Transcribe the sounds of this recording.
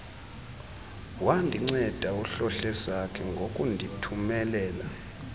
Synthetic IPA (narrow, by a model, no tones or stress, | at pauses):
wandʱiŋ͡ǀɛd̥ʱauɬɔɬɛsakʰɛŋɡʱokʼundʱitʰumɛlɛːla